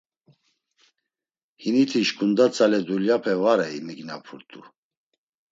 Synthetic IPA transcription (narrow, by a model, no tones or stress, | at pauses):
hinit̪ʰiʃkʰund̪at͡sʰʼalɛd̪uljapʰɛvaɾɛimiɡnapʰuɾt̪ʼṵ